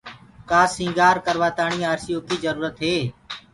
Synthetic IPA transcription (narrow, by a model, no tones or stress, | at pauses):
kaːsĩːŋɡaːɾkəɾʋaːt̪aːɳĩːaːɾsijoːkiːd͡ʒəɾuːɾət̪ɦeː